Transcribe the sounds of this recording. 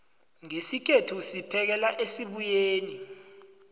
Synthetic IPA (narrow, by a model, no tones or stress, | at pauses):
ŋesik̬ʰetʰusipʰɛk̬ɛlaʔesiɓujeːni